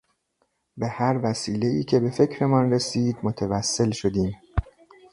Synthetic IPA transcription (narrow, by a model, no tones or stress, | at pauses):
behæɾvæsiːle̞iːcʰe̞be̞fe̞cʰɾe̞mɒnresiːd̪mot̪ʰevæsːe̞lʃo̞d̪iːm